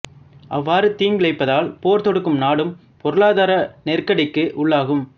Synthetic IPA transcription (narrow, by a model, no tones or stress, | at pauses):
ʔɐʋːaːɾɯt̪iːŋɡɪɭɐɪpːɐðaːlpoːɾt̪ɔɽɯkːɯmnaːɽɯm | pɔɾɯɭaːðaːɾɐnɛrkɐɽɐɪkːɯʔʊɭːaːɣɯm